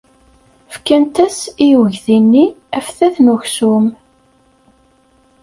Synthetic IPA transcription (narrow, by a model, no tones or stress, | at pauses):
fkːænt̪æsijwəʝθinːiæfθæθnuçsum